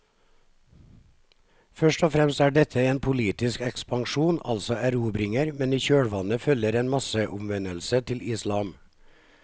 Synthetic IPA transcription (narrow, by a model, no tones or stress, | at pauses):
fœʃʈɔfɾɛmst̪æːɖɛt̪ʰəeːnpʰʊliːt̪ɪskɛkspɑŋʃuːnɑ̰lsɔʔæɾuːbɾɪŋəɾmɛniːçøːɽʋɑnəfœləɾeːnmɑsəʔʊmʋɛnəlsət̪ʰɪlɪslɑːm